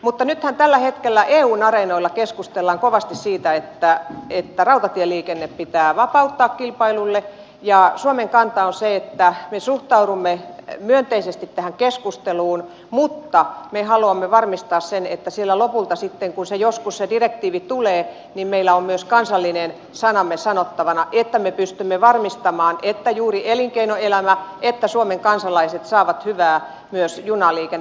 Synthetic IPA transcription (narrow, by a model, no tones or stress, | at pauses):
mut̪ːɑnyt̪hænt̪ælːæhet̪kelːæʔeːuːnɑrenoilːɑkeskust̪elːɑŋkoʋɑst̪issiːt̪æet̪ːæet̪ːærɑut̪ɑt̪ieliːkenːeppit̪æːʋɑpɑut̪ːɑːkkilpɑilulːe | jɑsuomeŋkɑnt̪ɑonseet̪ːæmesuht̪ɑuɾumːemyønt̪eisest̪it̪t̪æhæŋkeskust̪eluːn | mut̪ːɑmehɑluɑmːeʋɑrmist̪ɑːssenet̪ːæsielːˑælopult̪ɑsit̪ːeŋkunsejoskussedirek̚t̪iːʋit̪uleː | nimmeilːˑæommyøskɑnsɑlːinen | sɑnɑmːesɑnot̪ːɑʋɑnɑʔet̪ːæmepyst̪ymːeʋɑrmist̪ɑmɑːnet̪ːæjuːrieliŋkeinoelæmæʔet̪ːæsuomeŋkɑnsɑlɑiset̪sɑːʋɑt̪hyʋæː | myøsjunɑliːken